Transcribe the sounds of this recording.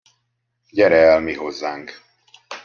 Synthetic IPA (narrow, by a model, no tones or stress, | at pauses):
ɟɛɾɛɛlmiɦo̞zːaːŋk